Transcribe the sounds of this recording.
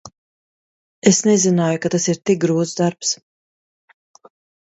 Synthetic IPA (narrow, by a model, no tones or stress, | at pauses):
esnɛzinaːjukat̪asiɾt̪ik̚ɡɾuːd̪zd̪aɾps